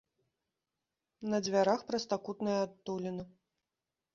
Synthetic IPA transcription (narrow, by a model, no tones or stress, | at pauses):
nɐd͡zʲvʲaɾaxpɾɐst̪akut̪nɨjɐat̪ːulʲinɐ